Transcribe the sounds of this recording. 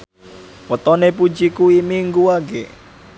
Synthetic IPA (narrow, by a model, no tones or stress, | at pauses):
wət̪ɔnepud͡ʒikuimiŋɡuaɡḛ